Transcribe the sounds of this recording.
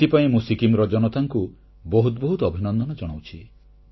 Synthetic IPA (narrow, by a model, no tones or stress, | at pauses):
t̪ipaĩmũsikimɾɔd͡ʒɔnɔt̪ʰaŋku | bɔɦut̪ɔbɔɦut̪ɔbʱinɔnd̪ʱɔnɔd͡ʒɔɽ̃awt͡ʃʰi